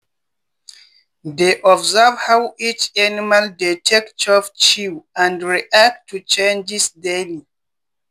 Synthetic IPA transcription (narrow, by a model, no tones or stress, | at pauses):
deʔɔbzavhawit͡ʃanimaldetʰɛktʰɔvt͡ʃiwãndɹiʔak̚tʰːut͡ʃẽnd͡ʒisdeli